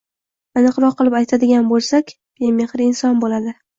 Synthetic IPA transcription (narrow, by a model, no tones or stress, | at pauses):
anɨqɾɒqʰːɨlˠɪpajt̪ʰad̪ɪɡʲanbolˠsakʲ | b̥emeχɾɪɪnsɒnbolad̪ɪ